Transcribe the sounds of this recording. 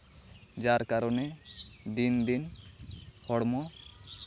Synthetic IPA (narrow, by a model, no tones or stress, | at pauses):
d͡ʒaɾkaɾɔned̪ind̪in | hɔɽmɔ